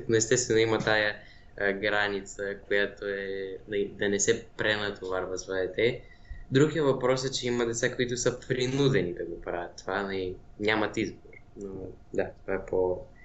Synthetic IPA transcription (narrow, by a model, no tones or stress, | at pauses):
noɛst̪ɛst̪vɛnoimɐt̪ajə | ɡɾanit̪səkojat̪oɛnɐid̪ɐnɛsɛpɾɛnɐt̪ʰovaɾvɐzvəd̪ɛt̪ɛ | d̪ɾuɡijəvɐpɾɔsɛt͡ʃɛimɐd̪ɛt̪sakoit̪ʊsəpɾinud̪ɛnid̪ɐɡopɾavʲjət̪ːovanɐiɲʲamɐt̪izboɾ | no | d̪at̪ovaɛpo